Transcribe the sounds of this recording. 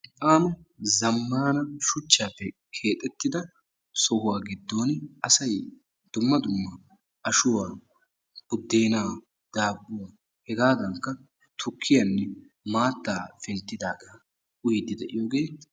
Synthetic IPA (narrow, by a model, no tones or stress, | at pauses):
ʔʼaːmɐzɐmːaːnɐʃʊt͡ʃːaːpːɛ | kʰe̞ːt̪ʼːɛt̪ːɪd̪ɐ | sɔhʊwaːɡɪd̪ːo̞ːnʔɐsɐj | d̪̥ʊmːɐd̪ʊmːɐ | ʔɐʃʊwaː | b̥ʊd̪ːeːnaː | d̪̥aːbːʊwa | hɛɡaːd̪ɐŋkːɐ | t̪ʰʊkʰːɪjanːɛ | maːt̪ːaːfɛnt̪ːɪd̪aːɡɐ | ʔʊjd̪ːɪd̪ɛʔɪjoːɡeː